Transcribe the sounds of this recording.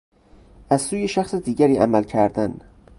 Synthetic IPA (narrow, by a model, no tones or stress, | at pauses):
æz̥suːjeʃæxsed̪iːɟæɾiːʔæmælcʰæɾd̪æn